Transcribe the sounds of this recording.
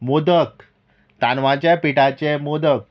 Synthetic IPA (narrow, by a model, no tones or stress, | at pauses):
mod̪ək | t̪anʋãt͡ɕjapiʈat͡ɕɛmod̪ək̚